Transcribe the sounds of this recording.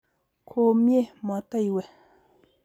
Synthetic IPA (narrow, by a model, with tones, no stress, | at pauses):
kʰo˨mje˥˨ma˨t̪a˥˨jwe˨